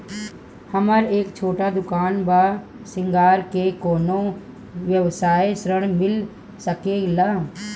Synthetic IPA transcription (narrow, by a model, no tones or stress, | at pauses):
hɐməɾeːkt͡ʃʰoːʈad̪ʊkaːnba | sɪ̃ŋɡaːɾkekoːno | ʋjəʋsaːesɾəɽ̃mɪl | səkeːɡlaː